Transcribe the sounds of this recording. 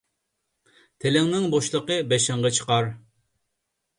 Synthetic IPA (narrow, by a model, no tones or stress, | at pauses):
t̪ʰelɪŋnɪŋboʃlˠəqəbɛʃɪŋʁɑt͡ʃʰə̥qɑɾ